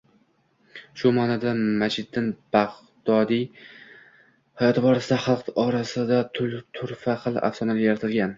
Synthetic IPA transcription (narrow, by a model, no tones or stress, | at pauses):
ʃʊmɒnad̪amad͡ʒɪd̪ːɪnbaʁ | d̪̥ɒd̪i | hajɒt̪ʰɪbɒɾasɪd̪aχɑlˠqɒɾasɪd̪at̪ʰʊlt̪ʰʊɾfaqɨlˠa̰fsɒnalɪjeɾat̪ʰɪlɡʲan